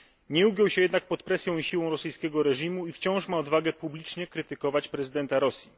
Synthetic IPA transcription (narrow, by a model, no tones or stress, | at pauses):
ɲɛuɡʲjɔwɕɛjɛd̪nak̚pɔt̪pɾɛsʲjɔ̃w̃iɕiwɔ̃w̃ɾɔsɘjskʲɛɡɔɾɛʐimuift͡ɕɔ̃w̃ʂmaɔd̪vaɡɛpublʲit͡ʂɲɛkɾɘt̪ɘkɔvat͡ɕpɾɛzɘd̪ɛnt̪aɾɔsʲji